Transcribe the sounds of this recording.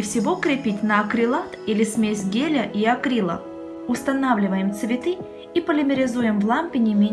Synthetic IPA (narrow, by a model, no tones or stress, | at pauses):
fsʲɪvo̞kɾʲɪpʲitʲnəɐkɾʲɪlˠat̪ilʲɪsʲmʲesʲɡʲelʲəʔiɐkɾʲilˠə̰ | ʊst̪ɐnavlʲɪvəjɪmt̪svʲɪt̪ɨ | ipəlʲɪmʲɪɾʲɪzujɪmvlˠampʲɪnʲɪmʲe